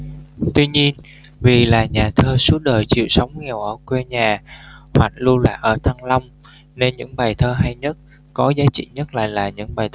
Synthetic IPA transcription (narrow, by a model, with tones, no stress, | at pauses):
t̪wi˧ɲi˧ən | vi˨˩laː˨˩ɲaː˨˩t̪ʰəː˧su˦˥ət̚ɗəː˨˩jt͡ɕḭ˧˨əwsə˨˦wŋ͡mŋɛ˨˩əwʔəː˧˩kwɛ˧ɲaː˨˩hwa̰˧˩ŋ̚lu˧əla̰ː˧˨jʔəː˧˩t̪ʰa˧ŋla˧wŋ͡m | ne˧nɲɨ̰˧˥ŋɓaː˨˩jt̪ʰəː˧ɦa˧jɲə˦˥t̚ | kɔ˨˦zaː˨˦t͡ɕḭ˧˨ɲə˦˥t̚la̰ː˧˨jlaː˨˩ɲɨ̰˧˥ŋɓaː˨˩t̪